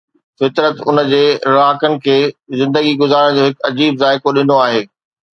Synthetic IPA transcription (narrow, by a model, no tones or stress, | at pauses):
fɪt̪ɾət̪ʊnə̆d͡ʑeːɾaːkənɪ̆kʰeːzɪ̃nd̪əɡiɡʊzaːɾəɽ̃d͡ʑoːɦɪkɐd͡ʑiːbzaːɪkoɗɪnoaːɦeː